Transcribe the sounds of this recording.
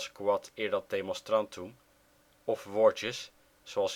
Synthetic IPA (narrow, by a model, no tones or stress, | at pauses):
skwɑtɪːɹdɑt̚demɔnstrɑntum | ɔfʋɔɹtəs | z̥oɑlˠs